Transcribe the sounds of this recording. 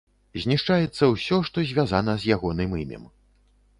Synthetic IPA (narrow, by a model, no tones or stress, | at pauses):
zʲnʲiʂt͡ʂajɛt̪sːɐwsʲɔʂt̪ɔzʲvʲazanɐzʲjaɣɔnɨmimʲɛ̰m